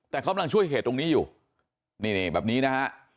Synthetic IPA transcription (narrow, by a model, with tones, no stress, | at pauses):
t̪ɛː˨˩kʰka˧mla˧ŋt͡ɕʰu˥˩əjɦeː˨˩t̪ːo˧ŋniː˦˥juː˨˩ | niː˧˩ni˧˩bɛː˨˩p̚niː˦˥na˦˥kʰa˦˥ʔ